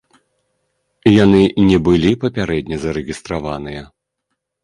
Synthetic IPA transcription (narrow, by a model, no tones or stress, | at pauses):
janɨnʲɛbɨlʲipɐpʲaɾɛd̪ʲnʲɐzɐɾɛɣʲist̪ɾavanɨjɐ